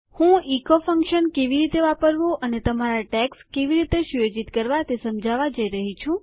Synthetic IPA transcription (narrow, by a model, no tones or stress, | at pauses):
hũikofəŋkʃənkeʋiɾit̪eʋapəɾʋoʔənet̪əmaɾaʈɛkskeʋiɾit̪eʃujod͡ʒit̪kəɾʋat̪esəmd͡ʒaʋad͡ʒəiɾəɦit͡ʃʰũ